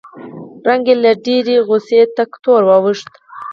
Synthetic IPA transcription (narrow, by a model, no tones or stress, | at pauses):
ɾaŋɡelaɖeɾeɣʊset̪akt̪oɾwɑwəʂt̪